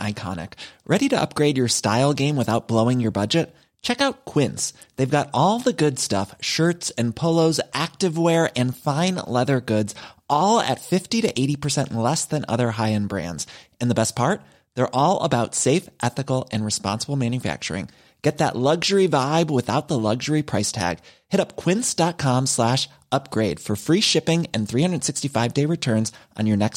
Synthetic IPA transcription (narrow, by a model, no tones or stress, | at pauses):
ʔa̰ɪkʰɑ̰nɨ̰kɹʔɛɾiɾɨʔʌ̰p̚ɡ̥ɹeɪd͡ʒə˞staɪlˠɡẽɪ̃mwəθaʊt̚b̥loʊɪ̃ŋjə˞bʌd͡ʒɨt̚ | t͡ʃʰɛkaʊt̚kʰw̥ɪ̃ns | ðeɪvɡɑɾɔlˠðəɡʊdstʌ̰fʃɜ˞tsɨ̃npʰoʊlˠoʊzʔæk̚tɨvwɛɹɨ̃nfãɪ̃nlɛðə˞ɡʊdz̥ʔɔlˠɨ̰tfɪftiɾɨʔeɪɾipʰə˞sɛ̰̃nʔlɛsðɨ̃nʌ̰ðə˞ɦaɪɨ̃nbɹæ̰̃ndz̥ɨ̃nðəbɛs̚pʰɑɹt̪̚ | ðə˞ʔɔlˠə̰baʊtseɪfʔɛθɨkl̩ˠɨ̃nɹɨspɑ̰̃nsəbl̩ˠmæ̃njɨfæ̰k̚t͡ʃə̰˞ɪ̰̃ŋ | ɡ̥ɛt̪̚ðə̰ʔˡlʌɡʒə˞ivaɪbwɨθaʊt̪̚ðəlʌɡʒə˞ipʰɹ̥aɪstʰæ̰ɡ̥hɪɾʌp̚kʰw̥ɪ̃nsd̥ɑt̚kʰɑ̃mslæʃ | ʌp̚ɡ̥ɹeɪd̥fə˞fɹiʃɪpɪ̃ŋɨ̃nθɹihʌ̃ndɹəd̥sɪkstifaɪvdeɪɹɨtʰɜ̃˞nzʔn̩jə˞nɛks